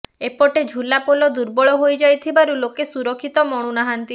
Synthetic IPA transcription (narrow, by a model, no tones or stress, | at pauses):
epɔʈed͡ʒʱulapolɔd̪uɾbɔɭɔɦojd͡ʒajt̪ʰibaɾulokesuɾɔkʰːit̪ɔmɔɽ̃unaɦant̪i